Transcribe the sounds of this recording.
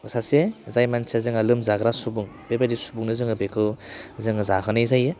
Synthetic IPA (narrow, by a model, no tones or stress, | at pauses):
sasezajmansʰezɯŋɐlɯmzaɡɾasubuŋb̥ebadisu̥buŋnɯzɯŋɯbekʰɯzɯŋɯzakʰɯnɯjzajɯ